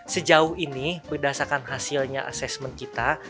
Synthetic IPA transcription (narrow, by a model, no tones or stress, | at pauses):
səd͡ʒaʊhinibərdasarkanɦasilɲaʔa̰sɛsmənkit̪a